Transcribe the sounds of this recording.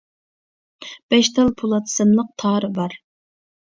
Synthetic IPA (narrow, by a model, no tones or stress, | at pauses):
b̥ɛʃt̪ɑlˠpʰulˠɑt̪ʰɨ̥sɨmlˠəq̚t̪ʰɑːɾɨbɑɾ